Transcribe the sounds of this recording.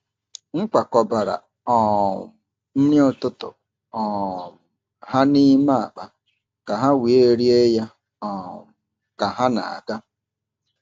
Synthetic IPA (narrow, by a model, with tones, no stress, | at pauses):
ŋ̩˦k͡pa˨kɔ˨ba˨ɾa̰˨ | ɔ˨ | n̩˦nɪ˦ʊ˦˨tʊ˦tʊ̰˨ | ɔ˨ | ha˦ni˦ma˦a̰˨k͡pa˨ | ka˨ɦa˦wi˨e˦˨˦ɾi˦e˦ja˦ | ɔ˨ | ka˨ɦa˦na̰˨a̰˨ka˦